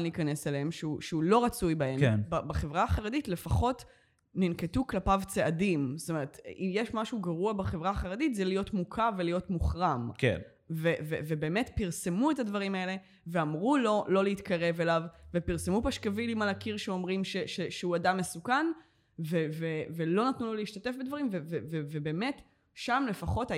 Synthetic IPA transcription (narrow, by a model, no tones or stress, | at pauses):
lniːkaneseleemʃeuʃeulo̞ʁat͡sujbaemenbabaχevʁaχaʁeditle̞faχo̞t | ninketuklapavt͡seʔadimst̪ome̞ʁetimjeʃmaʃuɡaʁuabaχevʁaːχaʁeditzelijotmukʰavelijo̞tmuχʁamkḛn | vevḛvebeːmetpiʁse̞muetadvɐʁimae̞le̞ | veamʁulo̞lo̞leitkaʁe̞ve̞lavvepiʁsemupaʃkavilimalakiʁʃeo̞mʁimʃeʃeʃeuadamːe̞sukan | vevevelo̞natnuloliiʃtate̞fbedvaʁimvevevevebeːme̞t | ʃamle̞faχo̞ta